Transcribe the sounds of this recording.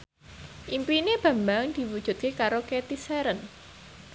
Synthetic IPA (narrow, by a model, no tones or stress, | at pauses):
ʔimpineb̥ä̤mbaŋd̪̥i̤wud̥ʒ̥ṳt̪̚kekaɾoket̪iseɾən